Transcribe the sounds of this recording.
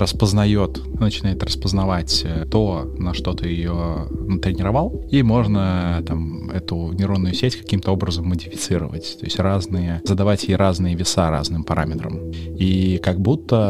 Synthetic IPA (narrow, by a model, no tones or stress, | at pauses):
rəspəznɐjo̞t̪ | nət͡ɕɪnajɪt̪rəspəznɐvatʲt̪o̞ | nɐʂt̪o̞t̪ɨjɪjonət̪ɾʲɪnʲɪɾɐvalˠimo̞ʐnət̪am | ɛt̪ʊnʲɪɾonːʊjʊsʲetʲkɐ̥kʲimt̪əo̞bɾəzəmːədʲɪfʲɪt̪sɨɾə̰və̰tʲt̪o̞ɪsʲtʲraznɨjəzəd̪ɐvatʲjjɾaznɨjəvʲɪsaɾa̰znɨmpɐɾamʲɪt̪ɾə̰mikaɡ̚but̪ːə